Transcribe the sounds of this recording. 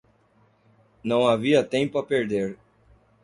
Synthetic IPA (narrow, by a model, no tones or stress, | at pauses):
nɐ̃w̃aviɐt̪ẽpʊapeɾd̪eɾ